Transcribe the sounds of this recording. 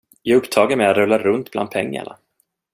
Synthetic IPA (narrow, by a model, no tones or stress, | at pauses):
jɑːɡɵpt̪ʰɑːɡaɾmɛjat̪ɾɵlːaɾɵnt̪blʔand̪pʰɛŋːa̰ɳa̰